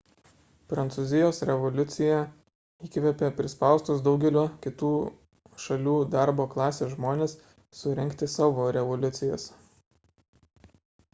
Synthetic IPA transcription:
pɾɐnt̪suːzʲɪjoːsɾʲɛʋɔlʲʊt̪sʲɪjɛ | iːkʲʋʲɛpʲeːpʲɾʲɪspɑˑʊst̪ʊsd̪ɒʊɡʲɛlʲuːkʲɪt̪uː | ʃɐlʲuːd̪ɑˑɾboːklˠɑːsʲeːʒmoːnʲeːsː | ʊɾʲɛŋʲkt̪ʲɪsɑːʋoːɾʲɛʋɔlʲʊt̪sʲɪjoːs

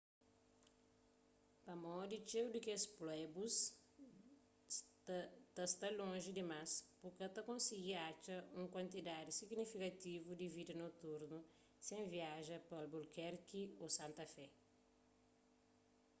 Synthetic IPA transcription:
pɐmɔd̪it͡ʃewd̪ikesplɛbus | t̪ɐst̪ɐlõʒid̪imaspuɾkɐt̪ɐkõnsiɡiat͡ʃɐũŋkwɐ̃nt̪id̪ad̪isiɡnifikɐt̪ivud̪ivid̪ɐnot̪uɾnu | sẽviaʒɐpɐlbulkɛɾkiosãnt̪ɐfɛ

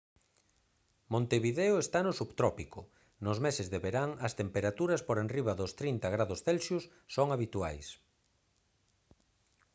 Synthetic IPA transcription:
mõnt̪eβiðeʊest̪anʊsuβt̪ɾɔpikʊ | nʊzmesɪzðeβeɾaŋɐst̪empeɾat̪uɾɐspoɾenriβɐðʊst̪ɾint̪ɐɣɾaðʊsθelʃjʊsːoŋaβit̪ua̰js

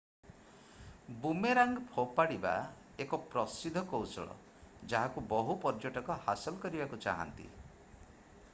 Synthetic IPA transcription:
bumeɾaŋɡɔpʰopaɽiba̰ | ekɔpɾɔsid̪ʱɔkowsɔ̰ɭɔ̰ | d͡ʒaɦakubɔɦupɔɾd͡ʒoʈɔkɔhasɔlɔkɔɾibakut͡ʃa̰ɦa̰nt̪ḭ

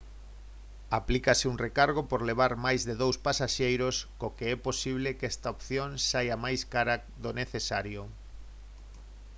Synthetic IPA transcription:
aplikasɪuŋrekaɾɣ̞opoɾleβ̞aɾmajzðeðowspasaʃejɾoskokeɛposiβ̞lekɛst̪aopθjõŋsajamajskaɾa | ðoneθesaɾjo

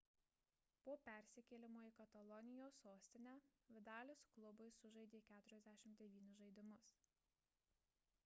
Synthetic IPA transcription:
poːpʲæˑɾʲsʲɪkʲɛlʲɪmoːikɐt̪ɐlˠɔnʲɪjoːsːoːsʲt̪ʲɪnʲæːʋʲɪd̪ɑːlʲesʊklˠʊbʊɪsʊʒɐɪd̪ʲeːkʲæːt̪ʊɾʲɛzʲd̪ʲæːʃʲɪmd̪ʲɛʋʲiːnʲʊʒɐɪd̪ʲɪmʊs

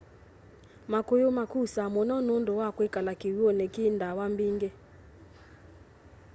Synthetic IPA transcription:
makojomakusamonɔnondowakwekalakiwuɔnekindawambiŋɡe

